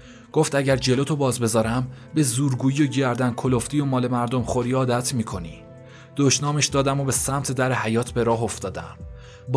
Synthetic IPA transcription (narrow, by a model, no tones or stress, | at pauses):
ɡ̥oft̪æɟæɾd͡ʒe̞loːt̪ʰobɒːzbe̞zɒːɾæm | be̞zuːɾɡuːjiːoɟæɾd̪ænkʰoloft̪ijomɒːle̞mæɾd̪o̞mχo̞ɾiːɒːd̪æt̪ʰmiːkʰo̞nḭ | d̪̥oʃnɒːmeʃd̪ɒːd̪æmobe̞sæmt̪ʰed̪æɾehæjɒːt̪ʰbe̞ɾɒːɦoft̪ɒːd̪æ̰m | b